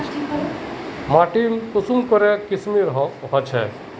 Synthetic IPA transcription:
maʈimkusumkɔɾɛkismiɾɦɦɔt͡ʃʰɛ̰

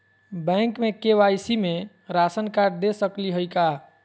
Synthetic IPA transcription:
bɛ̃ŋkmekeʋajsime | ɾasənkaɾɖd̪esəkliɦəjka

